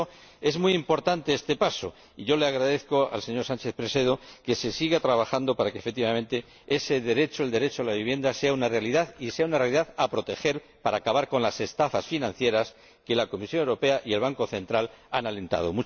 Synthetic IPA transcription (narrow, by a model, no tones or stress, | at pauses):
e̞zmwuijimpo̞ɾt̪ant̪e̞est̪e̞paso̞ | iʝo̞le̞aɣ̞ɾaðe̞θko̞a̰lse̞ɲo̞ɾsãnt͡ʃe̞θpɾe̞se̞ð̞o̞ke̞se̞siɣat̪ɾaβaxand̪o̞paɾakefek̚t̪iβamẽ̞nt̪e̞ | e̞se̞ðe̞ɾe̞t͡ʃo̞eld̪e̞ɾe̞t͡ʃoalaβiβje̞nd̪ase̞aunarealiðaðiseaunarealiðaðapɾo̞t̪e̞xe̞ɾ | paɾaːkaβaɾko̞nlase̞st̪afasfinãn̟θje̞ɾas | ke̞lako̞misjonewɾope̞aʔie̞lβaŋko̞θẽ̞nt̪ɾalanale̞nt̪a̰ð̞o̞mu